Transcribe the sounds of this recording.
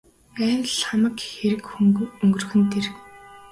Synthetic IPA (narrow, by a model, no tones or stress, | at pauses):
æːnɮχamə̆kxeɾɘ̆kxuŋɡɵŋɡɵ̆rxɘ̆nt̪ʰerk